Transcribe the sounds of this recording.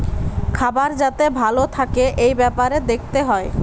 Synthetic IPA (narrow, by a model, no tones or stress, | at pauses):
kʰabaɾd͡ʑat̪ebʱalot̪ʰakeʔejbɛpaɾed̪ek̚ʰt̪eɦɔe